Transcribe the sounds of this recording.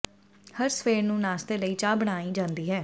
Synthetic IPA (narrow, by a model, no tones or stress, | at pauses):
həɾsəfeːɾnũːnaːst̪eːləiːt͡ʃaːbəɽ̃aːiːd͡ʒãːnd̪iːɦɛː